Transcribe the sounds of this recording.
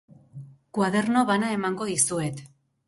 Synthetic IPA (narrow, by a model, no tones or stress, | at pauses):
kwað̞e̞rno̞βanae̞maŋɡo̞ðisue̞t̪